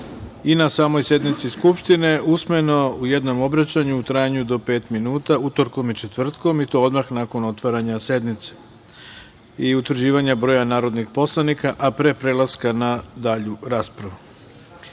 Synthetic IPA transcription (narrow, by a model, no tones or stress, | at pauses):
inasaːmo̞jsje̞d̪nit̪siskupʃt̪ine̞ʔusme̞no̞uje̞d̪no̞mo̞bɾat͡ɕaɲuut̪ɾajaɲud̪o̞pe̞ːt̪minuːt̪aut̪o̞ɾko̞mit͡ʃe̞t̪ʋr̩t̪ko̞mit̪oo̞d̪maxnako̞no̞t̪ʋaɾaɲase̞d̪mit̪se̥ | iut̪ʋɾ̩rd͡ʑiːʋaɲabɾo̞ːjanaːɾo̞d̪nixpo̞slˠanikaʔapɾe̞pɾe̞lˠaskanad̪aʎuɾaːspɾaʋu